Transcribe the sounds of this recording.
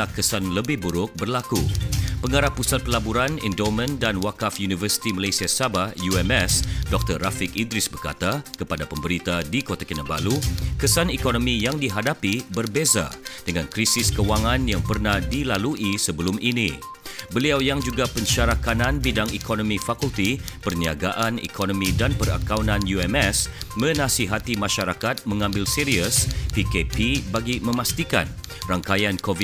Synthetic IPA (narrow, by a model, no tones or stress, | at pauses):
ahkəsanləbɪhbuɾʊk̚bərlakupəŋaɾahpːusat̪̚pəlabuɾanḭndomə̃ndanwakafjunivərsi̥t̪iməlajsiasabahjuɛmɛsdɔk̚t̪ərːafɪkindɾɪsbərka̰t̪akəpadapəmbəɾit̪adikot̪akinaba̰lukəsanikonomijaŋdiɦadapibərbeza̰d̥əŋãnkɾisɪskəuwaŋãnjaŋpərnahdilaluʔisəbəlʊmʔinḭ̃ | bəliawjaŋd͡ʒuɡapənʃaɾakanãnbidaŋikonõmĩfakult̪ipərniaɡaʔanḭkʰonõmĩdanpəra̰kawnãnjuɛmɛsmə̃nãsiɦat̪imãʃaɾakat̪̚mə̃ŋãmbɪlsiɾiəspikepibaɡimə̃mast̪ika̰n | raŋkajankovi